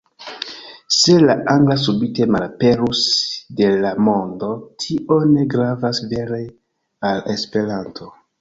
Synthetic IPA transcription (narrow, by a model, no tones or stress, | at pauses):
se̞laʔaŋɡlas̬ubite̞malape̞ɾusde̞lamo̞ndo̞tʰiʔo̞ne̞ɡɾavasve̞ɾe | ale̞spe̞ɾantʰo̞